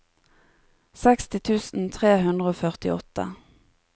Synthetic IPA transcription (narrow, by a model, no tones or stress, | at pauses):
sɛkst̪ɪt̪ʰʉːsn̩t̪ʰʁeːɦʉnd̪ʁəoːfœʁt̪ɪ̰ɔt̪ə̰